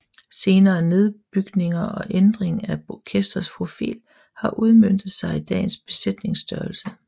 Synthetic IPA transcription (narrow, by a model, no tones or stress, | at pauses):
se̝ːnɐːne̝ð̞ˠb̥yɡ̥ne̝ŋɐʔɒ̽ʔend̥ʁeŋækʰesd̥ɐspʰʁo̝fḭːl | hɑ̈ʔuð̞ˠmøn̰d̥ð̩ˠsɑ̈ɪid̥ɛ̰ːn̩sb̥e̝sed̥ne̝ŋsd̥ɶːɐl̩sə